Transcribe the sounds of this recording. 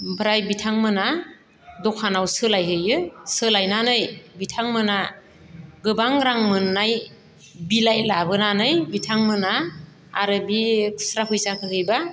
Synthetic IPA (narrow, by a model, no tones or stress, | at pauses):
bɯɾajbitʰaŋmɯna | dɔkʰanawsɯlajɦɯjɯsɯlajnanɯjbitʰaŋmɯna | ɡɯbaŋɾaŋmɯnːaj | bilajlabɯnanɯjbitʰaŋmɯnaː | ɾɯbikʰɯ̥sɾaɦʰɯjsakʰɯhɯjba